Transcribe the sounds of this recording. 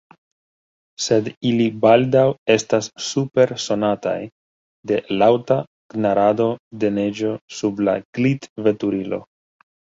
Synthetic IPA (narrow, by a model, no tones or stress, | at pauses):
se̞dilibaldawe̞stasːupe̞ɾso̞nata̰j | de̞lawta | ɡ̥naɾado̞de̞ne̞d͡ʒo̞subla̰ɡ̥litve̞tuɾilo̞̰